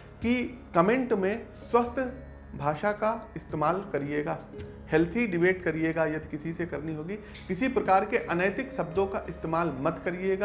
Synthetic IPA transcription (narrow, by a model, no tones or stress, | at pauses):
kikɐmẽːɳʈmẽswɐst̪ʰ | bʱaːʃakaɪst̪eːmaːlkɐɾieːɡaː | hɛlt̪ʰiɖɪbeːʈkɐɾieːɡajɐt̪ʰkɪsisekɐɾniɦoːɡi | kɪsipɾɐkaːɾkeʔɐnəjt̪ɪksɐb̚d̪õkaʔɪst̪eːmaːlmɐt̪kɐɾieːɡaː